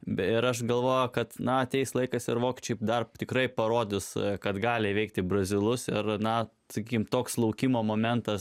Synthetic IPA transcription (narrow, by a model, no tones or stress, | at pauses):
ɪɾɐʃɡɐlˠʋoːjɛkɐt̪nɐɐt̪ʲɛɪslˠɐɪkɐsɪɾʋoːkʲɪt͡ʃʲɛɪd̪ɐrt̪ʲɪkɾɐɪpɐɾoːd̪ʲɪskɐt̪ɡɑːlʲɪʋʲɛɪk̚t̪ʲɪbrɐzʲɪlˠʊsɪrnɐ | sɐkʲiːkʲɪmt̪oːkslˠɐʊkʲimoːmoːmʲɛnt̪ɐs